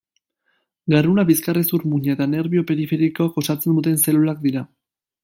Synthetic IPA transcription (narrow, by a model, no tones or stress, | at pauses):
ɡarunaβiskaresuɾmuɲaet̪ane̞ɾβiope̞ɾife̞ɾiko̞ako̞sat͡se̞nd̪ut̪e̞nse̞lulak̚d̪iɾa